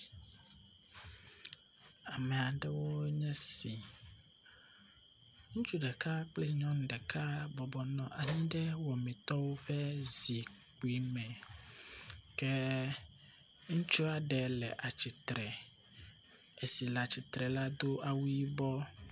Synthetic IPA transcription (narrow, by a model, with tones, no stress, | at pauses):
a˨mɛ̃˨a˨ɖɛ˦wo˦ɲɛ̃˦si˨ | ŋũ˦t͡ʃu˦ɖɛ˨ka˦k͡ple˦ɲɔ̃˦n˨ɖɛ˨kʰa˦bɔ˨bɔ˨nɔ̃˨ʔa˨ɲĩ˦ɖɛ˦wɔ˨mĩ˨t̪ɔ˦wo˦ɸɛ˦zi˨ | k͡pi˦mɛ̃˨ | kɛ˦ | ŋũ˦t͡ʃu˦a˨ɖɛ˨lɛ̰˨ʔa˨t͡ɕi˨t̪ɾɛ˨ | e˨si˨la˨t͡ɕi˨t̪ɾɛ˨la˦d̪o˦ʔa˨wu˦i˦bɔ˦